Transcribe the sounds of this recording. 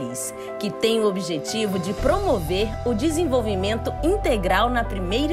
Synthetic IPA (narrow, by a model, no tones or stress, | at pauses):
ɪs | kɪt̪ẽj̃ʊobiʒet͡ʃivʊd͡ʒɪpɾomoveɾʊd͡ʒɪzẽvowvimẽnt̪ʊĩnt̪eɡɾawnɐpɾimejɾ